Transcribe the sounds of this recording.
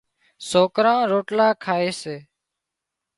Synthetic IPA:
soːkɾãːɾoːʈlaːkʰaːeːseː

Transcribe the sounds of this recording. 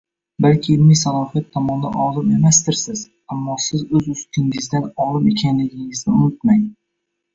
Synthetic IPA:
balkʲʰɪːlmisalˠɒfijat̪ʰːɒmɒnd̪a̰nɒlˠɪpe̞mast̪ɪɾsɪz̥ | amːɒsɪzɵzʊst̪ʰɪŋɪzd̪anɒlˠɪpe̞kʲʰanlɪɡʲɪŋɪznɪʊmɪt̪maŋ

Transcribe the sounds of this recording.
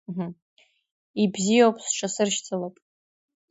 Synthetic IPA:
ɦm | ibzijowpʼsʈ͡ʂʰasɨrʃt͡sʰʼalapʼ

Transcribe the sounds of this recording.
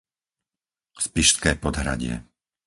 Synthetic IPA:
spiʃt̪kɛːpɔd̪ɦɾa̰ɟɪɛ̰

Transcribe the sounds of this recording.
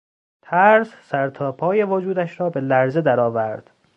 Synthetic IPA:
t̪ʰæɾzsæɾt̪ʰɒːpʰɒːjevod͡ʒuːd̪æʃɾɒːbe̞læɾzed̪æɾɒːvæɾd̪̥

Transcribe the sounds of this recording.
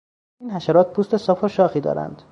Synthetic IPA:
iːnhæʃæɾɒːt̪̚pʰuːst̪e̞sɒːfoʃɒːxiːd̪ɒ̰ːɾæ̰nd̪̥

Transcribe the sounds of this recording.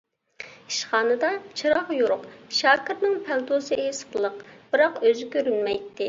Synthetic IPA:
iʃχɑːnɨd̪ɑt͡ʃʰɨɾɑχjuɾʊqʃɑːkʲiɾnɪŋpʰælˠt̪osɨesə̥qlˠəqb̥ɨɾɑqøzɪkʲøɾynmɛjt̪ːɪ

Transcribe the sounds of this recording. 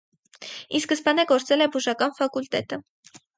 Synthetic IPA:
iskəspɑnɛɡɔɾt͡sɛlɛbuʒɑkɑnfɑkult̪ɛt̪ə

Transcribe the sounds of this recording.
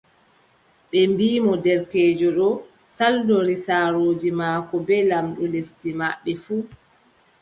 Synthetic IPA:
ɓɛmbiːmɔdɛɾkɛːd͡ʒɔɗɔ | saldɔɾisaːɾoːd͡ʒimaːkɔbɛlamɗɔlestimaɓːɛfuː

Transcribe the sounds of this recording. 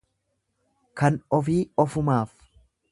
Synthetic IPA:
kɐnɔfiːɔfʊmaːf

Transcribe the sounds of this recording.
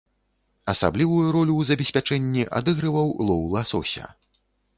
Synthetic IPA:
ɐsa̰blʲivujuɾɔlʲuwzɐbʲɛsʲpʲat͡ʂɛnʲːiʔa̰d̪ɨɣɾɨvɐwlˠɔwlˠasɔsʲɐ̰

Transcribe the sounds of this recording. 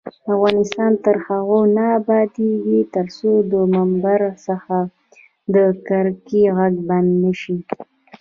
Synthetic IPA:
avɣɑnɪst̪ɑnt̪əɾxaɣonabɑd̪eɡit̪əɾsod̪əmambaɾsəxa | d̪əkaɾkiɣaɡband̪nəʃi

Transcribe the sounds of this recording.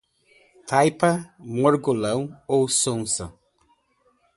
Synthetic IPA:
t̪ʰajpɐmoɾɡolɐ̃w̃owsõnsɐ̰

